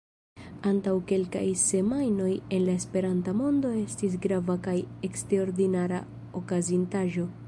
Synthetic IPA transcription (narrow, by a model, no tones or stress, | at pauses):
antawke̞lka̰jse̞majno̞je̞nlae̞spe̞ɾantamo̞ndo̞e̞stis̬ɡɾavakaje̞ksteɾo̞ɾdinaɾa̰ | okazintaʒo̞